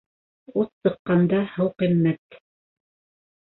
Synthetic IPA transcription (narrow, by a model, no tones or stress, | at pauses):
utsɤ̆qːɑnd̪ɑhɤwqimːæt̪